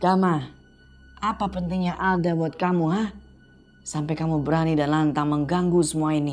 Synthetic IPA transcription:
ɡama | ʔapapənt̪ɪŋɲaʔaldabuat̪̚kamuɦah | sampajkamubəɾanidanlant̪aŋməŋɡaŋɡusəmuaini

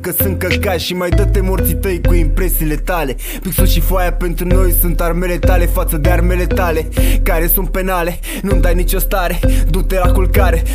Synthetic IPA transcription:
kəsɨŋ̚kəlkaɾʃimajd̪ət̪e̞mort̪sit̪əjkuimpɾe̞siːle̞t̪ale̞ | piksoʃifoajape̞nt̪ɾuno̞jsunt̪arme̞le̞t̪ale̞fat̪səd̪e̞arme̞le̞t̪ale̞kaɾe̞sunt̪̚pe̞nale̞ | nund̪ajnit͡ʃo̞st̪aɾe̞d̪ut̪elakulkaɾe

